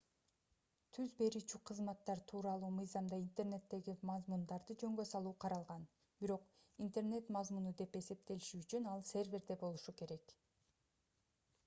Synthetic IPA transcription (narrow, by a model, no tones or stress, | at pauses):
t̪ʰyzbe̞ɾyːt͡ʃyqʰɯzmɑt̪ːɑɾt̪ʰuːɾɑlˠuːmɯjzɑmd̪ɑint̪erne̞t̪ːe̞ɡimɑzmund̪ɑɾd̪ɯd͡ʒø̞ŋɡø̞sɑlˠuːqʰɑɾɑlˠʁɑn | biɾo̞q | int̪e̞rne̞t̪mɑzmunud̪e̞pe̞se̞p̚t̪e̞liʃyyt͡ʃynɑlˠsʲe̞rvʲe̞ɾd̪e̞bo̞lˠuʃuke̞ɾe̞k